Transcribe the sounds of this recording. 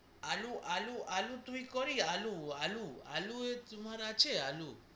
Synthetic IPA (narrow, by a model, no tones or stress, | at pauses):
aluʔaluʔalut̪uikoɾialualua̰luet͡sumaɾat͡ʃeɦalu